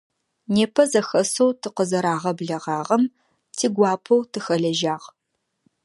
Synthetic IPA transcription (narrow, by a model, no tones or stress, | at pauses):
neːpʰɐzɐxɐsowtʰɨqəzɐɾaːʁɐbɮɐʁɑːʁɐm | tʰiːɡʷɑːpʰowtʰɨxɐɮɐʒaːʁ